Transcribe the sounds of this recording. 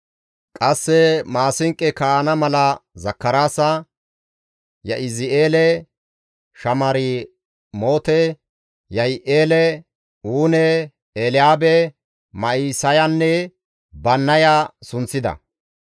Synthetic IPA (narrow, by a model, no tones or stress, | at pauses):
kʼɐsːɛmaːsɪŋkʼːɛkaanɐmɐlɐzɐkːɐɾaːsɐ | jɐ̰ʔɪzɪʔeːlɛ | ʃɐmɐɾɪ | mo̞ːt̪ɛ | jɐjʔeːlɛ | uːnɛ | eːlɪaːbɛ | mɐisɐjanːɛ | bɐnːɐjasʊnt͡sːɪd̪ɐ̰